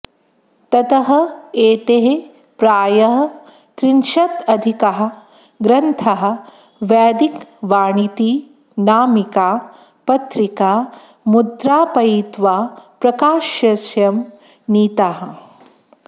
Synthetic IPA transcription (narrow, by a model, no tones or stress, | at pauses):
t̪ɐt̪ɐɦɐ̆eːt̪eɦe | pɾaːjɐɦɐ̆ | t̪ɾinʃɐt̪ɐd̪ʱikɐɦɐ̆ | ɡɾɐnt̪ʰɐɦɐ̆ | ʋaːd̪ikʋaːɳit̪iː | naːmikaː | pɐt̪ɾikaː | mud̪ɾaːpɐjit̪ʋaːpɾɐkaːʃjɐsjɐm | niːt̪aɦɐ̆